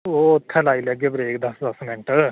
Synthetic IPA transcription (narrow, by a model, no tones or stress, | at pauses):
ot̪ʰɛlaːilɛɡebɾeːkd̪ɐsd̪ɐsmɪɳʈə